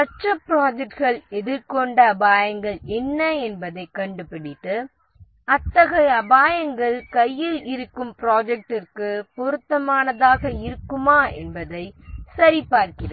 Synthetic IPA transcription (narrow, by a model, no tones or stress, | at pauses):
ɐʈrɐpɾaːd͡ʒɛk̚ʈɣɐɭɛðɪɾkɔɳɖɐːbaːjɐŋɡɐɭɛnːɐɛnbɐðɐɪkːɐɳɖɯpɪɽɪʈːɯ | ɐt̪ːɐɣɐɐbaːjɐŋɡɐɭkɐjːɪlɪɾɯkːɯmpɪɾaːd͡ʒɛk̚ʈɪrkɯpɔɾɯt̪ːɐmaːnɐðaːɣɐɪɾɯkːɯmaːɛ̰nbɐðɐɪsɐɾipaːɾkɪɾɐ